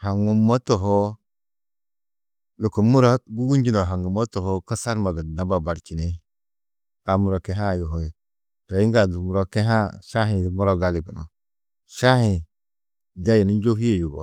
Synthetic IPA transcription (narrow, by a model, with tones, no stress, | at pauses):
ha˨ŋɡu˨mːo˦to˨ɦo˦ | lu˨ko˨mu˦ɾo˦ɡu˦ɡu˦nd͡ʒi˦no˨ɦa˨ŋɡu˨mo˦to˨ho˦ka˦sa˦ɾma˨ɡə˨na˦ba˨ba˨ɾt͡ʃi˨ne˦ | ka˨mu˨ɾo˨ke˦ɦa˦˨jo˨ɦo˨ | to˨i˦ŋɡa˨du˨mu˨ɾo˦ke˦ɦa˦ʃa˦ɦĩ˨mu˦ɾo˦ɡa˦li˨ɡu˨no̰˨ | ʃa˦hi˨ | da˦ji˨ni˦n˦d͡ʒo˦ɦi˦je˨ju˨ɡo̰˨